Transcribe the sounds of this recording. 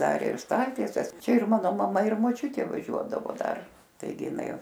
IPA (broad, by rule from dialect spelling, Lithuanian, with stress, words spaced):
ˈdɐr ɪr ˈstɐlʲtʲiɛsʲɛs ˈt͡ʃʲɛ ɪr ˈmɑːnoː mɐˈmɐ ɪr moːˈt͡ʃʲʊtʲeː ʋɐˈʒʲuɔdɐʋoː ˈdɐr tɐɪˈɡʲɪ ɪˈnɐɪ